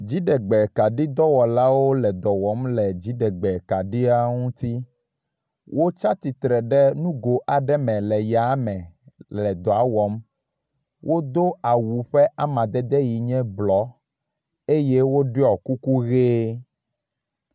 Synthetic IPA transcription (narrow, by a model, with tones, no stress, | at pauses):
d͡ʑi˨˦ɖɛ˨ɡ͡bɛ˨ka˨ɖi˦d̪ɔ˦wɔ˨la˦wo˦lɛ˨d̪ɔ˨wɔ˦mlɛ˨d͡ʑi˨˦ɖɛ˨ɡ͡bɛ˨ka˨ɖi˦a˦ŋũ˦t̪i˦ | wʔo˦t͡ʃa˦t̪i˨t̪ɾɛ˨ɖɛ˦nũ˦ɡo˨ʔa˨ɖɛ˦mɛ̃˨lɛ˨ja˨˦mɛ̃˨lɛ˨d̪ɔ˨a˨˦wɔ˨˦m | wʔo˦d̪o˦a˨wu˨ɸɛ˦ʔa˦mã˨d̪ɛ˦d̪ɛ˦ji˨ɲɛ̃˦blɔ˨˦ | e˦je˦wo˦ɖi˦ɔ˨ku˦ku˦ɣe˦